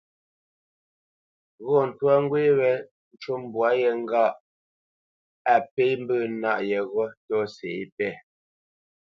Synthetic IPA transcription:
ɣɔ˦˨n̩˨twa˦ŋ˦ɡwe˦wɛ˨ | n̩˨t͡ʃo˦m˨bwa˨˦jɛ˨ŋ˦ɡa˦˨ʔ | a˨pe˦jm̩˦bəː˦˨na˦˨ʔjɛ˨ɣɔ˦tɔ˦se˨i˦pɛ˦˨

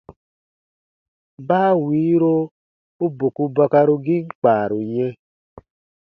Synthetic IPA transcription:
baː˦wiː˨˦ɾo˧ | u˦bo˨ku˧ba˧ka˧ɾo˧ɡi˦ŋ̩˦k͡pa˨ɾo˨ɲɛ˧

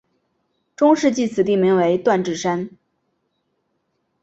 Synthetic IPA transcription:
ʈ͡ʂʊ˥ŋʂɻ̩˥˧t͡ɕi˥˩t͡sʰɹ̩˨˩t̪̬i˥˩mi˧˥ŋwe˧˥ɪt̪wa˥˧nʈ͡ʂɻ̩˥˩ʂa˥n

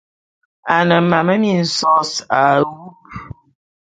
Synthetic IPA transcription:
a˨nə˨ma˨mə˦mi˨n̩˨sɔ˦˨sa˨wu˦k̚

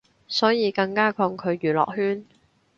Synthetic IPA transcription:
sɔː˨˥jiː˨˧kɐ˧ŋkaː˥kʰɔː˧ŋkʰɵ˨˧ɥjyː˨˩lɔ̰ː˨˩k̚hyː˥n

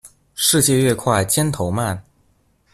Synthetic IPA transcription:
ʂɻ̩˥˧t͡ɕjɛ˥˧ɥɛ˥˧kʰwa˥˩ɪt͡ɕjɛ˥nt̪ʰo˧˥ʊma˥˩n

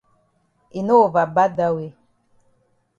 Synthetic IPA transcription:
i˨no˦˨va˨ba˦da˦we˦

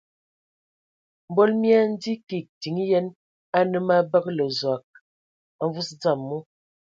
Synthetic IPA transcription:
m̩˨bɔ˦lmja˦n̩˦di˦ki˨k̚ti˨ŋ˦jɛ˦n | a˦nə˦ma˦bə˦klə˨zwa˨k̚ | a˨ɱ˦vu˦sd͡za˦˨mːɔ˦

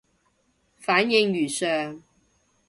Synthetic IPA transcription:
faː˨˥njɪ˧ŋɥyː˨˩sœː˨ŋ

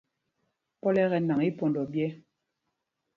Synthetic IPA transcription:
pɔ˦lɛ˦ɣɛ˨na˨ŋi˦po˨ndɔ˨bjɛ˦

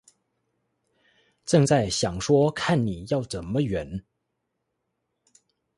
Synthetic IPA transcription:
ʈ͡ʂɤ˥˧ŋt͡sa˥˩ɪɕjɑ˨˩ŋʂwɔ˥kʰa˥˩nni˨˩jɑ˥˩ʊʈ͡ʂə˨˩nmə˦ɥɛ˧˥n

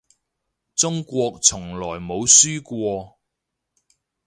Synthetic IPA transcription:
t͡sʊ˥ŋkʷɔː˧k̚t͡sʰʊ˨˩ŋlɔː˨˩jmo˨˧wsyː˥kʷɔː˧

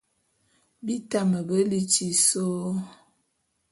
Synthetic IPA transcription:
bi˦ta˦mə˨bə˦li˦t͡ʃi˨so˦

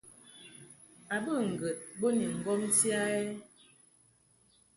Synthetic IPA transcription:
a˨bə˦˨ŋ̩˨ɡə˨t̚bo˦ni˨ŋ̩˨ɡɔ˦m˦tja˦ɛ˦

